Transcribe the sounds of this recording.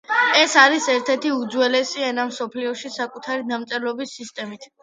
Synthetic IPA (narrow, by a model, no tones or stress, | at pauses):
ɛsaɾisɛɾt̪ʰɛɾt̪ʰiud̪zwɛlɛsianamsɔpʰliɔʃisakʼut̪ʰaɾid̪amt̪sʼɛlɔbisːist̪ʼɛmit̪ʰ